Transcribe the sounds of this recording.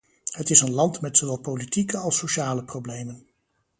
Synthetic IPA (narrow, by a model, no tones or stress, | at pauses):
ɦətɪsənlɑntmɛtsowʋɛlˠpowlitikəɑlˠsoʃaːləprowblejmən